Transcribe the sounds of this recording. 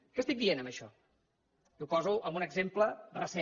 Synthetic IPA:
kɛst̪ik̚d̪ienəmbəʃɔ | iuwpɔzuʔəmbunəɡzemplərəsɛ

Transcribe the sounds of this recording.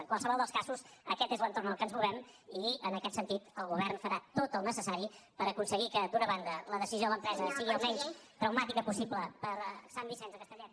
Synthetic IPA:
əŋkwalˠsəβɔlˠd̪əskasusəkɛt̪ezlənt̪ornəlˠkənzmuβɛmiənəkɛt̪sənt̪it̪əlˠɣuβɛrnfəɾat̪ot̪əlˠnəsəsaɾipəɾəkunsəɣikəd̪unəβand̪ələðəsizioələmpɾɛzəsiɣiəlˠmɛɲst̪ɾəwmat̪ikəpusibləpəɾsambisɛnzəkəst̪əʎe

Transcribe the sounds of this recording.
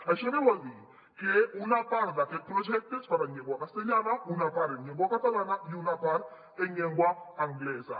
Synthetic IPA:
aʃɛɾɛwoli | keunapaɾlakepɾɔd͡ʒɛk̚tespaɾaɲẽŋɡwakaseɲalaunapaɾeɲeŋɡwakatalanajunapaɾ | eɲeŋɡwaaŋɡleza̰

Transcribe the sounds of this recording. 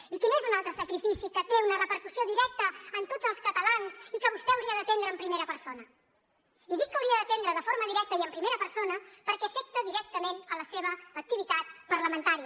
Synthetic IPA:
ikinezunalˠt̪ɾəsəkɾifisikət̪eunərəpəɾkusioðiɾɛk̚t̪əːnt̪odzəlˠskət̪əlanzikəβust̪ɛəwɾiəðət̪end̪ɾəːmpɾimeɾəpəɾsonə | iðikːəwɾiəd̪ət̪end̪ɾəðəfoɾməðiɾɛk̚t̪əiəmpɾimeɾəpəɾsonəpəɾkɛfɛk̚t̪əðiɾɛk̚t̪əmenələseβ̞əːk̚t̪iβ̞it̪at̪pəɾləmənt̪aɾiə

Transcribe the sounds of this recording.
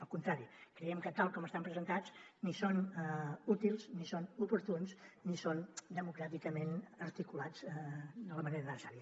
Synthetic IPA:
əlˠkunt̪ɾaɾikɾəɛmkət̪alˠkɔməst̪ampɾəzənt̪ad͡znisonɛut̪ilˠsnisonupuɾt̪unsnisond̪əmukɾat̪ikəmenəɾt̪ikulad͡zɛd̪ələməneɾəðəsaɾjiə

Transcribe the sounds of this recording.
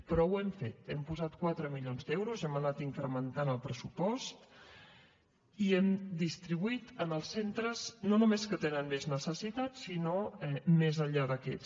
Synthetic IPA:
pɾɔwɛmfet̪empuzat̪̚kwat̪ɾəmiʎonzd̪ɛwɾuzɛmənat̪iŋkɾəmənt̪anəlˠpɾəsupɔst̪ | iɛmd̪ist̪ɾiβuit̪ənəlˠsːent̪ɾəznonumeskət̪enənmeznəsəsit̪asinoɛmezəʎaðəkɛs

